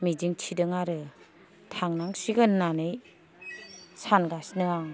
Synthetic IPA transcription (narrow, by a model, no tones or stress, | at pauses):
mid͡ʒiŋtʰidɯŋaɾɯ | tʰaŋnaŋsiɡɯnːanɯj | sanɡasnɯaŋ